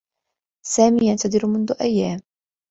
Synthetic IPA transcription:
saːmiːjant̪ad̪ɪɾmʊnðʊʔajːaːm

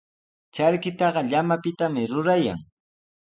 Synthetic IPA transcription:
t͡ʃaɾkɪt̪ɑɢɑʎamapɪt̪amɪɾʊɾaja̰ŋ

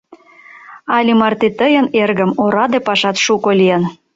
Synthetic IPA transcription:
ɑlʲimɑrt̪et̪əjənerɣə̆moɾɑd̪epɑʃɑt̪ʃukolʲijən

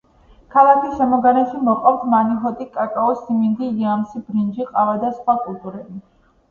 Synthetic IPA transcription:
kʰalˠakʰisʃɛmɔɡanɛt̪ʃimɔqʼaft̪ʰmaniɦɔt̪ʼikʼakʼaɔsimind̪iiamsibɾind͡ʒiqʼavad̪asχwakʼulˠt̪ʼuɾɛbi

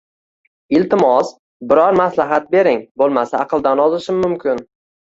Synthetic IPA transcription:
ɪlt̪ɪmɒs | bɪɾɒɾmaslaɦat̪̚be̞ɾɪŋbolˠmasaːqɨlˠd̪anɒzɪʃɪmːʊmkʲʰɪn

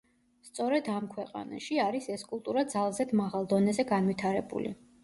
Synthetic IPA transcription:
st̪sʼɔɾɛd̪amkʰwɛqʼa̰na̰ʃiaɾisɛskʼulˠt̪ʼuɾad̪zalˠzɛd̪maʁalˠd̪ɔnɛzɛɡanvit̪ʰaɾɛbṵlḭ

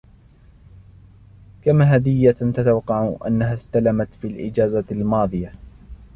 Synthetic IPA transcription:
kamaɦad̪ɪjːat̪at̪awɑqːɑʕʔa̰nːaɦaːst̪alamat̪fiːlʔɪd͡ʒaːzalmɑːðˤɨja

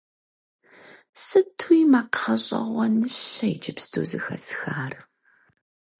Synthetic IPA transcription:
sɨtʰujmaːqʰɐɕʼɐ̰ʁʷɔnɨɕɐɪd͡ʒɪpstʰṵːzɨxɐ̰sxaːr

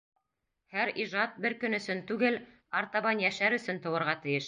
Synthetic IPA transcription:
hæɾiʒɑt̪̚bɘɾkɵ̆nɵ̆sɵnt̪ʉɡɘl | ɑɾt̪ɑβɑnjæʃæɾɵ̆sɵnt̪ɤ̆wɤ̆ɾʁɑt̪ɘ̆jɘʃ

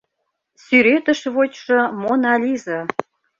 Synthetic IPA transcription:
syɾet̪ə̆ʃβot͡ɕʃɤ̆monɑlʲizɤ̆

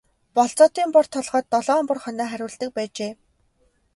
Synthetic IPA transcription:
pɔɮt͡sɔːt̪iːmpɔr̥t̪ʰɔɮʁɔːt̪ːɔɮɔːmpʊ̆rχœnœːχæɾʲʊːɮt̪ɘ̆k̚pæːt͡ɕeː

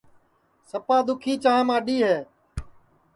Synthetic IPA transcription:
səpaːd̪ʊkʰiːt͡ʃãːmãːɗiːɦeː

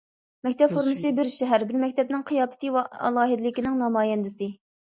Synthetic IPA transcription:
mɛkʲt̪ʰɛpfoɾmɨsɨbɪɾʃɛɦæɾbɪɾmɛkʲt̪ʰɛp̚nɪŋqʰɨjɑːpʰɪ̥t̪ʰɨwɑɑ̰lˠɑːɦɨd̪ɪlɪkʲinɪŋnɑmɑːjɛnd̪ɪsɨ

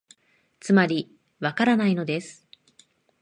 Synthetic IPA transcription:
t͡sɨmaɾʲi | βakaɾanaino̞d̪e̞sɨ̥

